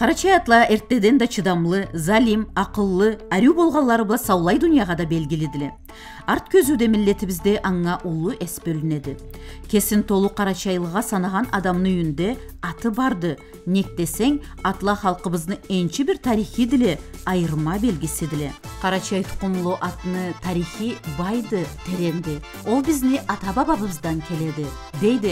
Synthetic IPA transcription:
qʰɑɾɑt͡ʃɑjɑt̪lˠɑe̞ɾt̪ːe̞d̪e̞nd̪ɑt͡ʃʰid̪ɑmlˠəzɑlimɑqəlˠːəæɾuwbo̞lˠʁɑlˠːɑɾəblˠɑsɑwlˠɑjd̪ʊnijɑʁɑd̪ɑbe̞lɡʲɪled̪ɪle̞ | ɑɾt̪̚kʲʰɵzud̪e̞mɪlːe̞t̪ɪbɪzd̪e̞ʔɑŋːɑʔʊlˠəʔesbɵlɪne̞d̪ɪkʲʰe̞sɪnt̪ʰo̞lˠuqʰɑɾɑʃɑjlˠəʁɑsɑnɑʁɑnɑd̪ɑmnəʏjɪnd̪e̞ | ɑt̪əbɑɾd̪ə | ne̞k̚t̪e̞se̞ŋ | ɑt̪lˠɑχɑlˠqəβəzd̪əe̞nʃɪbɪɾt̪ʰɑɾijχijd̪ɪle̞ɑjəɾmɑbe̞lɡʲɪsɪd̪ɪle̞qʰɑɾɑʃɑjt̪ʰʊ̥qəmlˠuʔɑt̪ənət̪ʰɑɾijχijbɑjd̪ət̪ʰeɾe̞nd̪ɪ | wo̞lˠbɪzneʔɑt̪ɑbɑbɑbəbəzd̪ɑŋkʲʰe̞le̞d̪ɪ | d̪e̞jd̪ɪ

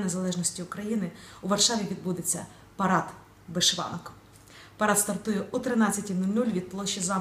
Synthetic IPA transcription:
nezɐlˠɛʒnɔsʲtʲiʊkɾɐjinɪʊʋɐrʃɑʋʲiʋʲid̪̚bud̪et͡sʲːɐ̰ | pɐɾɑt̪ | beʃʋɑ̰nk | pɐɾɑt̪st̪ɐrt̪ujɛʔut̪ɾɪnɑt͡sʲːɐtʲinulʲnulʲʋʲid̪̚plˠɔʃːizɑ

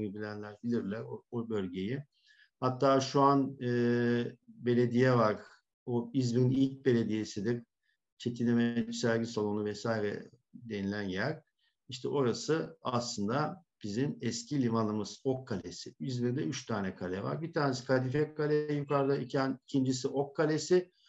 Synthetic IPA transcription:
ibilʲænlʲæɾbilʲiɾlʲæɾoobø̞lʲɟe̞ji | hat̪ʰːaːʃuanɯː | be̞lʲe̞d̪ijɛvaɾ | oizmiɾnilʲc̚be̞lʲe̞d̪ije̞sid̪ik | t͡ʃʰe̞t̪ʰinemɛsæɾɟisalˠonuvɛsaːiɾɛ̰ | d̪e̞nilʲænjæɾ | iʃt̪ʰɛʔo̞ɾasɯaslˠɯnd̪ab̥izimɛscʰilʲivanˠɯmɯz̥okʰːalʲesiizmiɾd̪ɛyt͡ʃt̪ʰaːnɛkʰalʲɛva̰ɾbit̪ʰaːnesi̥kʰad̪ifɛkʰalʲɛjukaɾɯd̪aicʰænicʰind͡ʒisiʔokʰːalʲesɪ

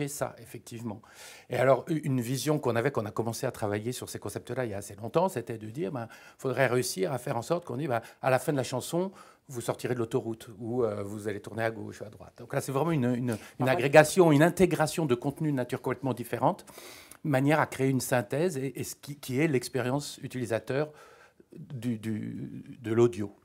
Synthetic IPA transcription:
esa̰efɛk̚t̪ʰivmɑ̃ | ealɔʁynvizjɔ̃kɔ̃navɛkɔ̃nakɔmɑ̃seat̪χavajesyʁsekɔ̃sɛp̚t̪əlailjaːselɔ̃t̪ɑ̃set̪ɛd̪əd̪iːʁbɛ̃ | fod̪ʁɛʁeysiʁafɛʁɑ̃sɔʁt̪əkɔ̃d̪ibɛ̃a̰lafɛ̃d̪əlaʃɑ̃sɔ̃ | vusɔʁt̪iʁed̪əlot̪ɔʁut̪uøvuzalet̪uʁneaɡo̰ʃad̪ʁwa̰t̪̚d̪ɔ̃klasɛvʁɛmɑ̃ynynynaɡʁeɡasjɔ̃ynɛ̃t̪eɡʁasjɔ̃d̪əkɔ̃t̪nyd̪ənat̪yʁkɔ̃plɛt̪mɑ̃d̪ifeʁɑ̃t̪manjɛʁakχeeynsɛ̃t̪ɛzeʔesə̥kʲikʲʰiɛlɛkspeʁjɑ̃syt̪ilizat̪œːʁ | d̪yd̪y̰d̪əlod̪jo

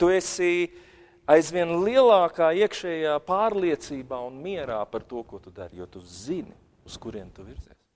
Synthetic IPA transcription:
t̪uesi | ajzʋiɛnlˠiɛlˠaːkaːiɛkʃɛːjaːpaːɾlˠiɛt̪siːbaːunmiɛɾaːpaɾt̪uɔkuɔt̪ud̪a̰ɾjuːt̪uzin | uskuɾiɛmt̪uʋiɾz̥iːs

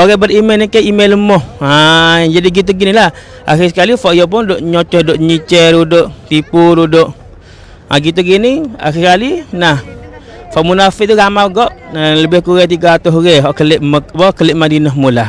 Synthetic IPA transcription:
oɣɛbərimelnikaimelːəmɔhad͡ʒadiɡit̪̬uɡinilah | a̰xis̬ə̥kalifɔʔjop̬ʊndoʔɲɔt͡ʃɔhdoʔɲit͡ʃəɾudʊʔt̪ipʊɾudʊʔ | a̰ɡit̪̬uɡinia̰xisəkalinah | fɔʔmunafɪʔ̚t̪uɡamaɡɔʔləbɪhkuɣɛt̪̬iɡat̪ʊɦuɣɛɦɔʔkəlɪʔməbɔkəlɪʔmadinəɦmula

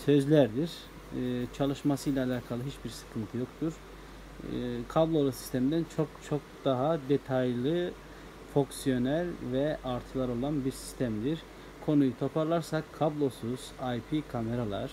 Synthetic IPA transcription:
sø̞zlʲæɾd̪iɾ̥ | t͡ʃʰalˠɯʃmasɯjlʲaːlʲaːkʰalˠɯɦit͡ʃbiɾsɯ̥kʰɯnt̪ʰɯjo̞kt̪ʰuɾ̥ | kʰablˠo̞lˠasi̥st̪ʰemid̪ænt͡ʃʰokt͡ʃʰo̞k̚d̪̥aɦad̪e̞t̪ʰajlˠɯ | fo̞ksijo̞næɾʲvɛʔaɾt̪ʰɯlˠaɾo̞lˠanbiɾsi̥st̪ʰæmd̪iɾ | kʰo̞nujut̪ʰo̞pʰaɾlˠaɾsakʰːablˠo̞suz̥ajpʰikʰame̞ɾalˠa̰ɾ̥

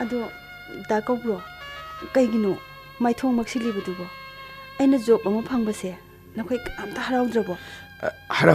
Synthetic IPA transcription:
ɐdu | dakawɡɾɔkɐjɡino | majtʰoŋmɐk̚silibɐdubɔɐjnɐzok̚ːɐmɐpʰaŋbɐse | nɐkʰojamtʰahaɾawdɾɐbɔ | haɾ

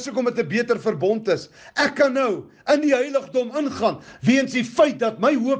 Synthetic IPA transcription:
sukɔmətəbiətərfərbɔntəs | ʔækːɐnːəw | əndiɦəjləχdɔmənχɑːnviənsdifəjt̚dɐtməjɦuə

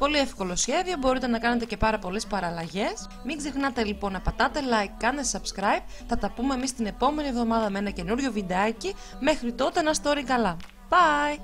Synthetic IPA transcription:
po̞lie̞fko̞lo̞sçe̞ðio̞bo̞ɾit̪e̞nɐkɐne̞t̪e̞ce̞pɐɾɐpo̞le̞spɐɾɐlɐʝe̞s | miɡze̞xnɐt̪e̞lipo̞nɐpɐt̪ɐt̪e̞lɐjkːɐnesɐbskɾɐjb̚θɐt̪ɐpume̞ːmist̪ine̞po̞me̞nie̞vðo̞mɐðɐmee̞nɐce̞nuɾʝo̞vind̪eɐci | me̞xɾit̪o̞t̪e̞nɐst̪o̞ɾikɐlɐ | b̥ɐj

